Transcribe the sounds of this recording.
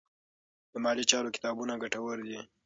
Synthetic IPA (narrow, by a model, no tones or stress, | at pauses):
d̪̥əmɑlit͡ʃɑɾokɪ̥t̪ɑbunaɡaʈawəɾd̪i